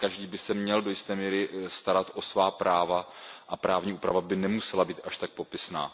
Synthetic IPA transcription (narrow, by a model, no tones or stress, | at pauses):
kaʒdiːbɪsɛmɲɛldojɪst̪ɛːmiːɾɪst̪aɾat̪ʔo̞svaːpɾʔaːvaʔapɾʔaːvɲiːʔuːpɾavabɪnɛmusɛlabiːt̪ʔaʃt̪ak̚po̞pɪsna̰ː